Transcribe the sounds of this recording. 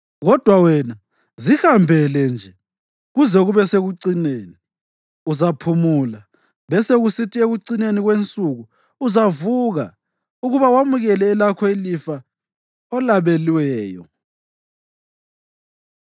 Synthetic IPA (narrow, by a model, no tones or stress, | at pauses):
ɣɔd̥ʱwawɛna | zihambʱɛlɛnd͡ʒʱɛ | ɣuzɛɣuβɛseɣuǀineːni | uzapʰumula | βɛseɣusitʼieɣuǀineniɣwent͡sʼuɣuː | zavuɣa̰ | uɣuβawamuɣɛlɛːlakʰɔilifa | ɔlaβeliwɛːjɔ̰